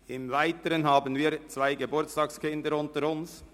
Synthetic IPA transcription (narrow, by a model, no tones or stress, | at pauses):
ɪmvaɪtəɾənɦɑːbənviːt͡svaɪɡebʊt͡stɑːkskɪndəɾʊntəɾʊns